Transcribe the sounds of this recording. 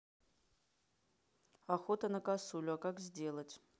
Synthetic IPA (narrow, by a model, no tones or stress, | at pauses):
axot̪ɐnɐkasulʲʊɔkakzʲdʲe̞lˠɐtʲ